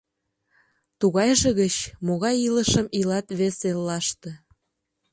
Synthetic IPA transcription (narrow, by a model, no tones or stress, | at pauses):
t̪uɣɑjʒeɣət͡ɕmoɣɑjiləʃəmilɑt̪βeselːɑʃt̪ĕ